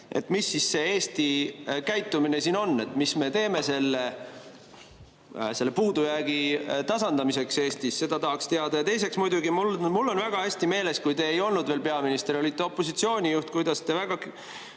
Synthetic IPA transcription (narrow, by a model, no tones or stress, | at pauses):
e̞̰t̪misːisse̞e̞ːst̪ikæjt̪ːumine̞siːno̞nːe̞t̪ːmisme̞t̪e̞ːme̞se̞lːe | se̞lːepuːd̪̥ujæːɡ̥it̪ɑsɑnd̪̥ɑmise̞kse̞ːst̪isse̞d̪ɑt̪ɑɦɑkst̪e̞ɑd̪ɑjɑt̪e̞jse̞ksmujd̪uɡ̥imulmulːo̞nvæɡ̥ɑæsʲt̪ime̞ːle̞skujt̪e̞ːjo̞lnud̪ve̞ːlpe̞ɑminist̪e̞ɾo̞lit̪ːˑe̞o̞pːˑo̞sit̪sio̞ːnʲijuht̪kujd̪̥ɑst̪e̞væɡ̥ɑ